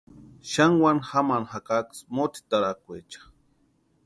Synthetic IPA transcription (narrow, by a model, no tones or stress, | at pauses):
ʃaŋwanxamanhakaksmot̪i̥t̪aɾakʷet͡ʃḁ